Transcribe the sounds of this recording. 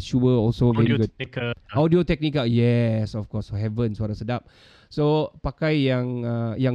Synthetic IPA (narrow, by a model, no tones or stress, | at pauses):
ʃuəɔlsovɛiɡukɔdiotɛk̚nikajɛsɔfkɔsoɦɛvə̃nsuaɾasədap̚ | sopakajjãŋajã